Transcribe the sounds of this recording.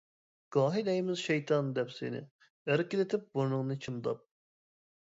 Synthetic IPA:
ɡ̥ɑːɦilɛjimɪzʃɛjt̪ʰɑnd̪ɛpsḛnɪ̰ | æɾkʲid̪et̪ʰɪp̚buɾnuŋnɨt͡ʃʰɨmd̪ɑ̰p̚

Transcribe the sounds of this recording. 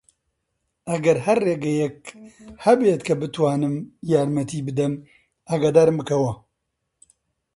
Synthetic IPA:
ɐɡɐɾɦɐrːeːɡɐjɛk̚hɐbeːt̪kʰɐbɨt̪ʰwaːnɨmjaːɾmɐt̪ʰiːbɨd̪ɐm | aɡaːd̪aːɾɨmbɨkʰɐwɐ

